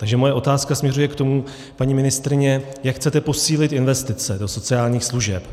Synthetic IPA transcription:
t̪aɡʒɛmo̞jɛo̞t̪aːskasmɲɛrujɛkt̪o̞mu | paɲiːmɪnɪst̪ɾɪɲɛjakxt͡sɛt̪ɛpo̞siːlɪt̪ɪnvɛst̪ɪt͡sɛdo̞so̞t͡sɪaːlɲiːxsluʒɛp

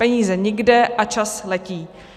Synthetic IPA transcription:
ɛɲiːzɛɲɪɡdɛʔat͡ʃaslɛciː

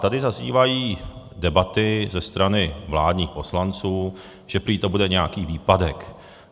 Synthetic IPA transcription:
t̪adɪzazḭːvajiː | dɛbat̪ɪzɛst̪ɾanɪvlaːdɲiːxpo̞slant͡suː | ʒ̥ɛpɾiːt̪obudɛɲɛjakiːviːpadɛk

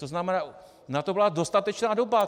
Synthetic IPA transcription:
t̪oznamɛnaː | nat̪obɪlado̞st̪at̪ɛt͡ʃnaːdoba

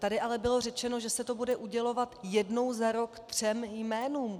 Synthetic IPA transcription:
t̪adɪʔalɛbɪlo̞rɛt͡ʃɛno̞ʒɛsɛt̪o̞budɛʔuɟɛlo̞vat̪jɛdno̞wzaɾo̞kt̪r̝̥ɛmjmɛːnuːm

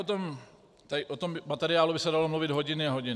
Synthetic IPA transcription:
ot̪om | t̪aɪʔot̪omɪmat̪ɛɾɪaːlubɪsɛdalomluvɪd̪ɦoɟɪnɪaɦoɟɪn

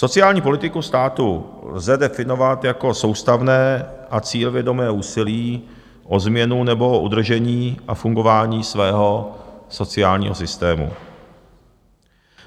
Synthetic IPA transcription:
so̞t͡sɪjaːlɲiːpolɪt̪ɪkust̪aːt̪ulzɛdɛfɪno̞vat̪jako̞so̞wst̪avnɛːʔat͡siːlvjɛdo̞mɛːuːsɪliː | ʔozmɲɛnunɛbo̞ʔud̪r̩ʒɛɲiːʔafuŋɡo̞vaːɲiːsvɛːɦo̞so̞t͡sɪaːlɲḭːɦo̞sɪst̪ɛːmṵ

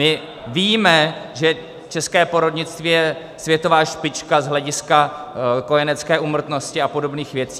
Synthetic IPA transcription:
mɪ | viːmɛʒɛ | t͡ʃɛskɛːpo̞ɾodɲɪt͡st̪viːjɛ | svjɛt̪o̞vaːʃpɪt͡ʃkazɦlɛɟɪskako̞jɛnɛt͡skɛːʔumr̩t̪no̞scɪapo̞do̞bniːxvjɛt͡si

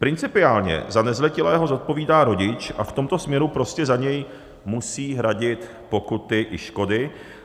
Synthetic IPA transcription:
pɾɪnt͡sɪpɪaːlɲɛ̰zanɛzlɛcɪlɛːɦo̞zo̞t̪̚po̞viːdaːɾo̞ɟɪt͡ʃʔa̰ft̪o̞mt̪o̞smɲɛɾupɾo̞scɛzaɲɛj | musiːɦɾaɟɪt̪ | po̞kut̪ɪʔɪʃko̞dɪ

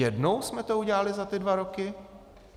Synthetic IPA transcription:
ɛdno̞wsmɛt̪o̞uɟɛlalɪzat̪ɪdvaɾo̞kɪ

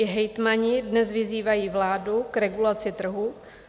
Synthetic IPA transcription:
ɪɦɛjt̪maɲɪdnɛzvɪziːvajiːvlaːdukɾɛɡulat͡sɪt̪r̩ɦu

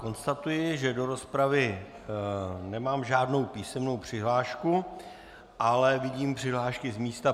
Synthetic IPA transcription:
ko̞nst̪at̪ujɪʒɛdo̞ɾo̞spɾavɪ | nɛmaːmʒaːdno̞wpiːsɛmno̞wpr̝̥ɪɦlaːʃku | ʔalɛvɪɟiːmpr̝̥ɪɦlaːʃkɪzmiːst̪a

